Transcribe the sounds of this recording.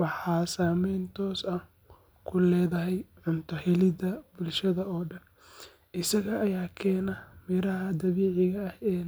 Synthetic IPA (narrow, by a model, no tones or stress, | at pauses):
wɑħɑːsaːmɛjnt̪ʰɔːsɐh | kʰʊlɛːðɐɦɛjʕʊnt̪ʰɐhɛlɪd̪ɐbʊlʃɐðɐɔːɖɐn | ʔɪsɐɣɐʔːjaːkʰɛːnɐmɪɾɐɦɐd̪ɐβɛːʕɪɣɐːhɛː